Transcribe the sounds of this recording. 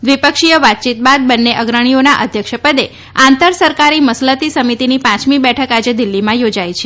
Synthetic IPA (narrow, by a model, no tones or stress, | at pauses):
d̪ʋipəkʃijəʋat̪̚t͡ʃit̪̚bad̪̚bənːeʔəɡɾəɳ̃ijonaʔəd̪ʱjəkʃəpəd̪e | ãnt̪əɾsəɾkaɾiməslət̪isəmit̪inipãt͡ʃmibɛʈʰəkad͡ʒed̪ilːimãjod͡ʒajt͡ʃʰe